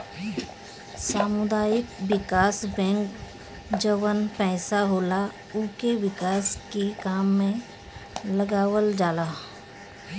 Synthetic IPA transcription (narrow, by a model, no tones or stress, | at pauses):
saːmʊd̪aːjɪkwɪkaːsbɛ̃ːŋk | d͡ʒəʋənpɛːsaɦoːla | ʊːkewɪkaːskekaːmːẽ | ləɡaːwəld͡ʒaːlaː